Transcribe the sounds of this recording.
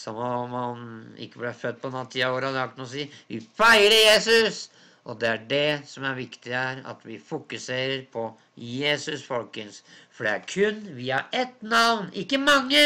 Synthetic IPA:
sɔmɔɑnɪ̰kːəblɛfœt̪ːpʰɔnɑt̪ːɪɑoːɾɑd̪ɑkt̪nɔs̬iːʋɪfæɪɾəɾjeːsʉs | ʔɔd̪ɛæɖɛsɔmæɾʋɪkt̪ɪæɾɑ̰t̪ʋɪfʊkʉseːɾəɾpʰɔ | jeːsʉsfɔlkənsfɔɖɛæɾkʰʉnːʋiːɑʔɛt̪nɑʋnɪkːəmɑŋːə

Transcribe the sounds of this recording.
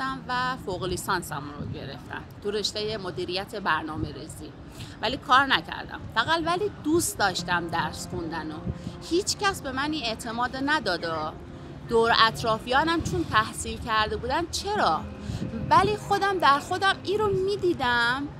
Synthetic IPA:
æmvæfoɣolisɒːnsæmunɾo̰ɟe̞̰ɾe̞̰ft̪æ̰nt̪ʰuɾeʃt̪ejemod̪iːɾijæt̪ʰe̞bæɾnɒːme̞ɾiːziː | væliːkʰɒːɾnæcʰæ̰ɾd̪æ̰mfæɣælvæliːd̪ust̪d̪ɒːʃt̪æmd̪æɾsxund̪ænohiːt͡ʃʰcæsbe̞mæniːne̞t̪ʰe̞mɒːd̪enæd̪ɒːd̪ɒ | d̪̥oːɾæt̪ɾɒːfijɒːnæmt͡ʃʰont̪ʰæhsiːlcʰæɾd̪e̞buːd̪ænt͡ʃʰe̞ɾɒː | væliːxo̞d̪æmd̪æɾxo̞d̪æmiːɾomid̪iːd̪æm

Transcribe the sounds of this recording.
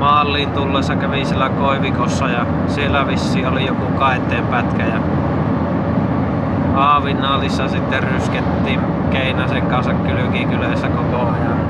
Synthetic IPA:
mɑːlːiːnt̪ulːesːɑkæʋisielːækoˑeʋikosːɑjɑ | sielːæʋisːiːolijokukɑˑet̪ːˑeːmpæt̪kæjɑ | ɑːʋinːˑɑːlisːɑsit̪ːerrysket̪ːiːm | keˑinæseŋkɑnsɑkkylykikyleˑisːækokoɑjɑn

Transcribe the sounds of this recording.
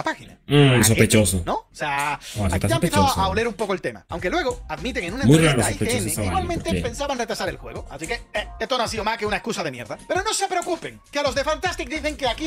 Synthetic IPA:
apaxina̰s̬opet͡ʃosonoseast̪ʝaempejeθoaoleɾumpo̞koelt̪e̞ma̰a̰wŋke̞lwe̞ɣoaðmit̪̬eŋenũnaẽnmujɾreosajpet͡ʃeossaiɣwalmẽnt̪epe̞nsaβanret̪ɾasaɾelxwe̞̰ɣoasikeeest̪onoasiðomakeunaeskusaðemje̞ɾðape̞ɾono̞se̞pɾeokupe̞ŋkealozðe̞fant̪ast̪ik̚d̪iθe̞ŋkeaki

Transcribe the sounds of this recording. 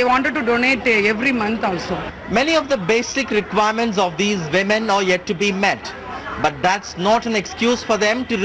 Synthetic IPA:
eʋãːɳʈəɖ̚ʈuɖoːneːʈɛʋɾimʌ̃nt̪aːlso | mɛniɔʋd̪əbeːsɪkɾɪkʋaɪəɾmə̃ɳʈs̬ɔʋd̪iːzʋɪmə̃nəɾjɛʈːubimɛʈ | bʌʈ̚d̪æʈsnɔːʈæ̃nekskjuːzfɔɾd̪ɛ̃mʈuɾ

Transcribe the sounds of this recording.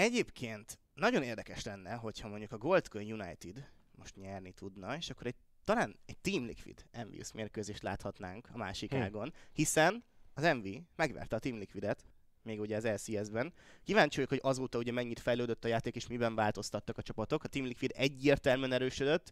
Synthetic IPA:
ɛɟeːpkʰeːnt̪ | nɒɟo̞neːrd̪ɛkɛʃlɛnːɛɦo̞chɒmo̞ɲɟukɒɡo̞lt̪koɲjuna̰jt̪id̪ | mo̞ʃt̪ɲɛrnit̪ʰud̪nɒeːʃɒkːo̞ɾɛɟ̚ | t̪ːɒlaːnɛɟ̚t̪iːmlḭkʋḭd̪̥ɛɱvḭṵsmeːrkøːzeːʃt̪la̰ːt̪hɒt̪naːŋkɒmaːʃikaːɡo̞nhisɛnɒzɛɱvimɛɡʋɛ̰rt̪ɛɒt̪iːmlikʋid̪ɛt̪ | meːɡuɟɛɒzɛlsiːɛzbɛnkivaːɲt͡ʃojokho̞ɟɒzoːt̪ɒuɟɛmɛɲːit̪fɛjløːd̪øt̪ːɒjaːt̪eːkeːʃmibɛɱvaːlt̪o̞st̪ɒt̪ːɒkɒt͡ʃɒpɒt̪o̞kɒt̪iːmlikʋid̪ɛɟːeːrt̪ɛlmːnɛɾøːʃød̪øt̪ː

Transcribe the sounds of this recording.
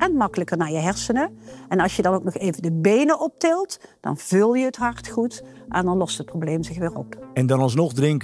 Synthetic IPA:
ʔɛnmɑkələkəɹnaːɹjəɦɛɹsənəʔɛnɑlˠsjədɑnowknɔχeːjvəndəbejnəʔɔp̚tɪlˠtd̥ɑ̰nv̥ɵlˠjəɦətɦɑɹtχutʔɛ̰ndɑnlɔstɦət̚problejmzɪxʋɪːrɔpɛndɑnɑlˠsnɔχdrɪŋk

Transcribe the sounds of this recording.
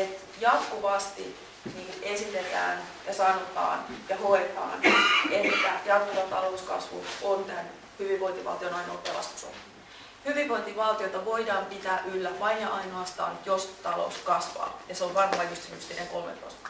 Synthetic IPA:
et̪ | jɑt̪kuʋɑst̪ḭ | niːesit̪et̪æ̰ːn | jɑsɑrot̪ɑ̰ːnjɑhoet̪ɑ̰ːnet̪ːæjɑt̪kuʋɑt̪ɑlouskɑ̰sʋṵont̪ænː | hyʋiʋʋoint̪iʋɑ̰lt̪ionɑino̰lpelɑ̰st̪u̥so̰m | hyʋiʋʋo̞int̪iʋɑlt̪ioit̪ɑʋo̞idɑːmpit̪æːʔylːæʋɑinjɑʔɑinoɑst̪ɑ̰ːnjo̞st̪ɑlo̰uskɑsʋɑ̰ːjɑseoʋʋɑnhɑːjust̪inyst̪ineŋko̞lmḛt̪o̰st̪

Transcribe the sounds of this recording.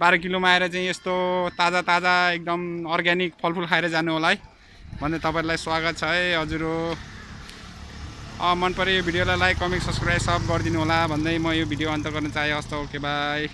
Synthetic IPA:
baɾʌk̬ilomaeɾʌt͡saĩest̪ot̪ad͡zat̪ad͡zaek̚d̪ʌmʌrɡanikpʰʌlpʰulkʰaeɾʌd͡zanuɦolaɦʌj | bʱʌnd̪ʌt̪ʌpaeɾulajswaɡʌt̪̚t͡sʰʌeɦʌd͡zuɾ | ʌmʌnpʌɾijobʱiɽijolalajkʌmiksʌpskrajbsʌb̚ɡʌrd̪inuɦolabʱʌnd̪ʌjmʌjobʱiɖijoʌnt̪ʌɡʌrnʌt͡saɦjõʌst̪ʌkebaj

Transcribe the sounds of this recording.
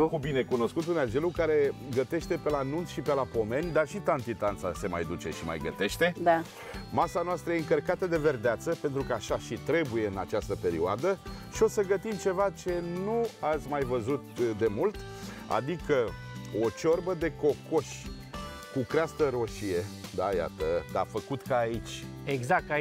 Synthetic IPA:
kubine̞kuno̞skut̪unad͡ʒe̞lukaɾe̞ɡət̪e̞ʃt̪e̞pe̞lanunt̪ʃipe̞lapo̞me̞nʲd̪arʃit̪ant̪it̪ant̪sa̰se̞ma̰jd̪ut͡ʃe̞̰ʃima̰jɡə̰t̪e̞ʃt̪e̞d̪a | masanoast̪ɾəjeɨŋkərkat̪əd̪e̞ve̞rd̪eat̪səpe̞nt̪ɾukəaʃaʃit̪ɾe̞buje̞ɨnat͡ʃast̪əpe̞ɾioad̪əʃio̞səɡət̪imt͡ʃe̞vat͡ʃe̞nuat̪sʲmajvəzut̪d̪e̞mult̪ | a̰d̪ikə | o̞t͡ʃo̞rbəd̪e̞ko̞ko̞ʃʲ | kukɾeast̪əɾo̞ʃijed̪aja̰t̪əd̪a̰fəkut̪kaːit͡ʃʲ | eɡzak̚t̪a

